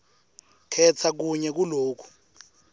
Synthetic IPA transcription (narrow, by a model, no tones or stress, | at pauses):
kʰɛt͡sʰak̬uɲɛk̬uloːkʰu̥